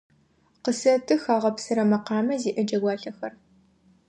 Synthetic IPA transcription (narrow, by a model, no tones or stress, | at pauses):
qəsɐtʰɨxaːʁɐpsɨɾɐmɐqɑːmɐziːʔɨd͡ʒɐɡʷɑːɬɐxɐr